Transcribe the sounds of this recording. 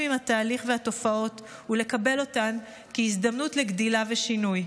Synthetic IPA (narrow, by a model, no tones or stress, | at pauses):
mimhataːliχvehato̞fao̞t | hule̞kabe̞lo̞tan | kiizd̪amnutle̞ɡdilaveʃinuj